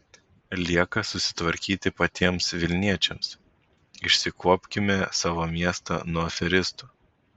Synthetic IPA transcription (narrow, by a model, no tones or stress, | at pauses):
lʲiɛkɐsʊsʲɪ̥t̪ʋɐɾʲkʲiːt̪ʲɪpɐt̪ʲiɛmsʋʲɪlʲnʲiɛt͡ʃʲɛms | ɪʃʲsʲɪkuɔpʲkʲɪmʲɛsɑːʋoːmʲiɛst̪ɐ̰nuɔɐfʲɛɾʲɪst̪uː